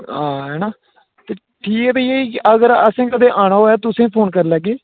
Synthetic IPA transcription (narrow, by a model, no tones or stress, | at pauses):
ãːɦɛːnaː | t̪eː | ʈʰiːkɛːbəiːeːikɪʔəɡəɾəsẽːkəd̪eːʔaːɽ̃aːɦoːjaːt̪ʊsẽːpʰoːnkəɾləɡeː